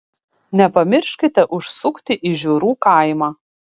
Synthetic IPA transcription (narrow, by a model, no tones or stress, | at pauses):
nʲɛpɐmʲɪɾʲʃʲkʲɪt̪ʲɛʔʊʃsʊkt̪ʲɪʔiʒʲuːɾuːkɑɪmɑː